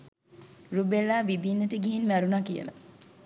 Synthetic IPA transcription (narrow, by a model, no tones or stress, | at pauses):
rubelːaːʋid̪inːəʈəɡiɦinmæɾunakijə̰la̰